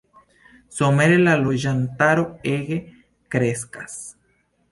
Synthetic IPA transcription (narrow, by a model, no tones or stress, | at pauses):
someɾelaloʒant̪aɾoeɣe | kɾeskas